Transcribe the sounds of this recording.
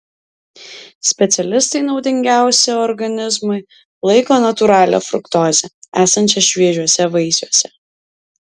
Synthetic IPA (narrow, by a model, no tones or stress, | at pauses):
sʲpʲɛt̪sʲɛlʲɪst̪ɐɪnɒʊd̪ʲɪŋʲɡʲæˑʊsʲeɔɾɡɐnʲɪzmʊɪ | lˠɐɪkoːnɐt̪ʊɾɑːlʲɛ̰ːfɾʊ̰kt̪oːzʲɛæːsɐnʲt͡ʃʲɛʃʲʋʲiɛʒʲuɔsʲɛʋɐɪsʲuɔsʲɛ